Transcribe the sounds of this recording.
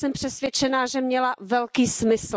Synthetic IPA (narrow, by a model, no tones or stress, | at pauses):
sɛmpr̥ɛsvjɛt͡ʃɛnaːʒɛmɲɛlavɛlkiːsmɪs